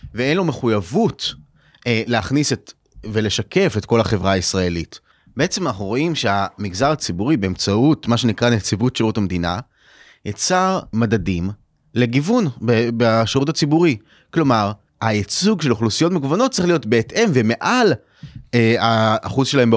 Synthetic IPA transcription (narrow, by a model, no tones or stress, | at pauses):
vee̞nlomeχujavut | eleaχniset | ve̞le̞ʃake̞fet̚ko̞laχe̞vʁaːisʁae̞lit | b̥e̞e̞t͡semanaχnuʁo̞ʔimʃe̞amiɡzaʁat͡sibuʁibe̞emt͡sautmaʃenikʁanet͡sivutʃeʁutamdina̰ | jat͡saʁmadadim | le̞ɡivunbebaʃeʁutat͡sibuʁi | klo̞maʁ | ait͡suɡʃe̞loχlusijo̞tmeɡuvanott͡sːsʁiχlijo̞tbeːtʔe̞mveme̞ʔal | eaːχuzʃelae̞mb